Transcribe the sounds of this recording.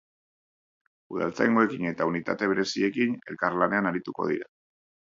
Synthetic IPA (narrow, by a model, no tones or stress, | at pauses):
uð̞a̰lt͡sajŋɡo̞e̞kine̞t̪aunit̪a̰t̪e̞βe̞ɾe̞sie̞kine̞̰lkaɾlane̞anaɾit̪uko̞̰ð̞ḭɾa